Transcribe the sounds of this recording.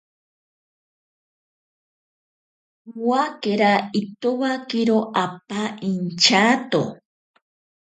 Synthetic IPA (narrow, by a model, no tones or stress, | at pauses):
wakeɾait̪uβakiɾoʔap̚aint͡ʃat̪o̰